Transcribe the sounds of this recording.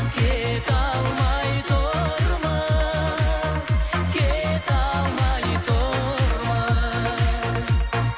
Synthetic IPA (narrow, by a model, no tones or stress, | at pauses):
ket̪awmajit̪oɾmɐ | ket̪awmajt̪oɾmɐ